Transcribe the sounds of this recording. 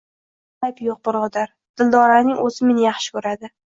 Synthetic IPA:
ajpjoq̚bʊɾʁʊd̪aɾ | d̪̥ɪld̪ɒɾanɪŋɵzɪmenɪjɑχʃɪ̥kʰɵɾad̪ɪ

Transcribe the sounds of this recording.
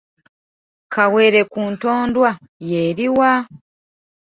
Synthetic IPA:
kʰawe̞ːɾe̞kuːnto̞ːndwa | jeːɾiwa

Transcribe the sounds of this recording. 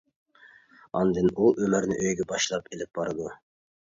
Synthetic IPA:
ɑ̰nd̪ɨnuʔømɪɾnɪ̰ʔøjɡʲɛbɑʃlˠɑpelɪp̚b̥ɑɾɨd̪u

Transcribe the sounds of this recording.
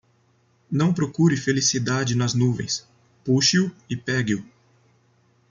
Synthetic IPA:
nɐ̃w̃pɾokuɾɪfelisid̪ad͡ʒɪnɐznuvḛ̃j̃s | puʃiʊɪpɛɡiʊ

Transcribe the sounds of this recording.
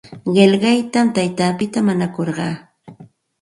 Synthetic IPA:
ɢeʎɢɑjt̪amt̪ajt̪aːpɪt̪amaɲakoɾɢɑː

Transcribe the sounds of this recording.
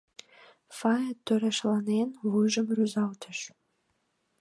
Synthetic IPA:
fɑjət̪øɾæʃlɑnenvujʒəmryzɑlt̪ʰə̆ʃ

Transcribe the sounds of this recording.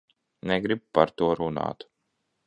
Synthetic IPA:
nɛɡɾib̚paɾt̪uɔɾuna̰ːt̪

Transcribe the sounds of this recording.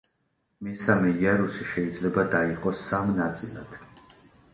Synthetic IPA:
misamɛjaɾusiʃɛid̪zlɛbad̪aiqʼɔsːamnat̪sʼilˠa̰d̪̥

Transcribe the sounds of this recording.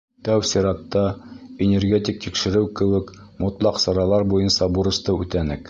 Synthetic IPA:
t̪æwsʲiɾɑt̪ːɑenʲerɡʲet̪ʲik̚t̪ikʃɘ̆ɾɘwkɘ̆wɘkmŏt̪lˠɑqsɑɾɑlˠɑɾbujɤnsɑbuɾɤ̆st̪ɤʉt̪ænɘk

